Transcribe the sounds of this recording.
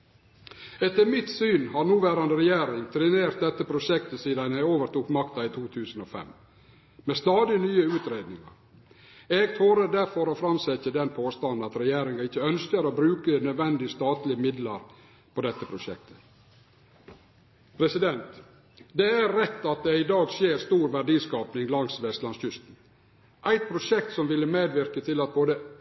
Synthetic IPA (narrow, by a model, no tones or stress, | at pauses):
ɛt̪ːəɾmɪt̪syːnhɑɾnuːʋæːɾɑnd̪əɾɛjæːɾɪŋt̪ʰɾɛneːɾt̪̚d̪ɛt̪ːəpʰɾʊʂɛkt̪əsiːd̪ɑnæoːʋəɾʈ̪uːkmɑkt̪ɑit̪ʰuːt̪ʰʉːsn̩ɔfɛ̰m | mɛst̪ɑːd̪ɪnyːəʉːt̪ɾeːd̪nɪŋɑ̰ɾ | eːɡt̪ʰuːɾəd̪æɾfɔɾɔfɾɑmsɛtːəd̪ɛnpʰoːst̪ɑnd̪ɑt̪ɾɛjæːɾɪŋɑɪçːəœnskəɾobɾʉːkənœd̪ʋɛnd̪ɪəst̪ɑːt̪lɪəmɪd̪lɑɾ | pʰɔd̪ɛt̪ːəpʰɾʊʃɛ̰k̚t̪ʰə̥ | pʰɾɛsɪd̪ɛnt̪ | d̪ɛæɾɾɛt̪ːɑt̪̚d̪ɛɪd̪ɑːɡsjeːɾst̪uːɾʋæɖiːskɑːpnɪŋlɑŋsʋɛst̪lɑnsçʏst̪n̩ | ʔæɪt̪̚pʰɾʊʂɛk̚t̪sɔmʋɪlːəmeːd̪ʋɪɾkət̪ʰɪlɑt̪̚boːd̪ə